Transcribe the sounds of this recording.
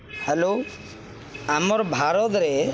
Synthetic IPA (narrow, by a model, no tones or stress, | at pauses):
hɛlo | amɔɾbʱaɾɔt̪ɾe